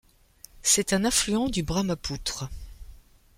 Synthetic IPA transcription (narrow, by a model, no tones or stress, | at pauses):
sɛt̪ɛ̃nɛ̃flyɑ̃d̪ybʁamaput̪χə